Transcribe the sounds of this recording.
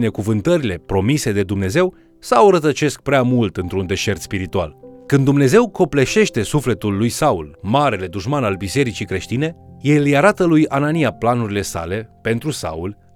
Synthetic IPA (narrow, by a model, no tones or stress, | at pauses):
ne̞kuvɨnt̪əɾile̞pɾo̞mise̞d̪e̞d̪umne̞ze̞w | sawɾət̪ət͡ʃe̞sk̚pɾeamult̪ɨnt̪ɾund̪e̞ʃe̞rt̪spiɾit̪ua̰lkɨnd̪ːumne̞ze̞wko̞ple̞ʃe̞ʃt̪e̞sufle̞t̪ulːujsaulmaɾe̞le̞d̪uʃmanalbise̞ɾit͡ʃikɾe̞ʃt̪ine̞je̞ljaɾat̪əlujananijaplanuɾile̞sa̰le̞pe̞nt̪ɾusa̰ul